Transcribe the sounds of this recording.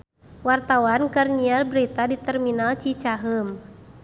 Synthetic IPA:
wart̪awankərɲialbɾit̪adit̪ɛrminalt͡ʃit͡ʃaɦəm

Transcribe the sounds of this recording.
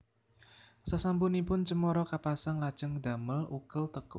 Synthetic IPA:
sasampunipʊnt͡ʃəmɔɾɔkapasaŋlad̥ʒ̥ə̤ŋd̪̥a̤məlʔukəlt̪əkʊ

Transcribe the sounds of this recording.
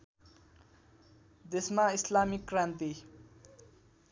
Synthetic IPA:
d̪esmaislamikːrãnt̪i

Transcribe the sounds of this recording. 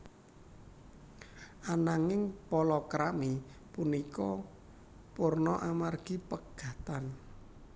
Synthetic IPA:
ʔanaŋɪŋpɔlɔkɾamipunikɔ | pʊrnɔʔamarɡ̥ipəɡ̥a̤t̪an

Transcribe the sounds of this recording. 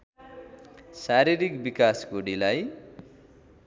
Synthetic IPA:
saɾiɾikbikasɡuɽilaj

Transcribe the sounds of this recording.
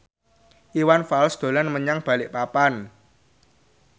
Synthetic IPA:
ʔiwanfalsd̪̥o̤lanməɲaŋb̥a̤lɪʔpapan

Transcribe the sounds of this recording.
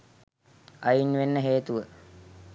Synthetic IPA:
ɐjinʋenːəɦeːt̪uʋə

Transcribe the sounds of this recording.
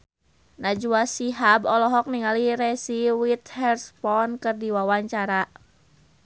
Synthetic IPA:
nad͡ʒuasiɦabɔlɔɦɔk̚niŋaliɾɛsiwit̪̚hɛrspɔnkɨrdiwawaɲt͡ʃaɾa

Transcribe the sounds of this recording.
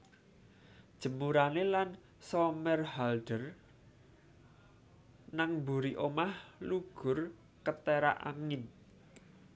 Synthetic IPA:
d̥ʒ̥ə̤muɾanelan | sɔmɛrhalɖ̥ər | naŋbṳɾiʔomahluɡ̥ʊ̤r | kət̪eɾa̰ʔa̰ŋɪn

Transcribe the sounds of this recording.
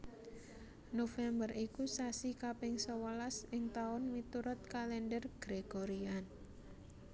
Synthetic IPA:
nofɛmbərikusasikapɪŋsɔwəlasɪŋt̪aʊnmit̪uɾʊt̪̚kalɛndərɡ̥ɾeɡ̥oɾian

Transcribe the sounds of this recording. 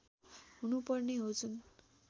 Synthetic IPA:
ɦunupʌrneɦot͡sʰun

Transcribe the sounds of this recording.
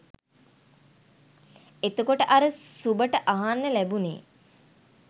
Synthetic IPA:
et̪əkoʈəʔaɾəsubəʈəʔaɦanːəlæbunḛː

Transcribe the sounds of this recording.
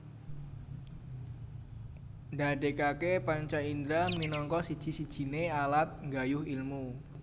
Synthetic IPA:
nda̤ɖekakepaɲt͡ʃaind̪ɾaminɔŋkɔsid̥ʒ̥i̤sid̥ʒ̥i̤nealat̪̚ŋɡajʊhilmu

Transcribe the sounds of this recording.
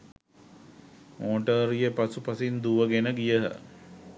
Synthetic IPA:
mʔoːʈəɾijəpasupasind̪uʋəɡenəɡijəɦə̰

